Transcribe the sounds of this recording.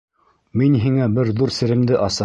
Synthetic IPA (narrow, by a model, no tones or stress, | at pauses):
minɦiŋæbɘɾðuɾsɘ̆ɾɘ̆md̪ɘʔɑsɑ